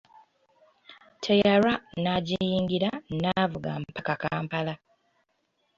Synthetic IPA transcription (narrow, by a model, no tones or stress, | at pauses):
tʰejaɾanaɟijiːŋɡiɾannavuɡa̰mpakakaːmpala